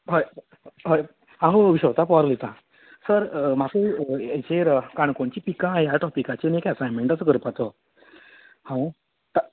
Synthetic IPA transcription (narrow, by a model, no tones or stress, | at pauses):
ɦoj | ɦoj | ãɦəəʋiɕət̪apɔɾlit̪ã | səɾmakeet͡ɕeɾkaɳ̃koɳt͡ɕiːpikãjaʈɔpikat͡ɕenekɛsajmeɳʈat͡səɡʱəɾpat̪ɔ | hãw̃ | t̪a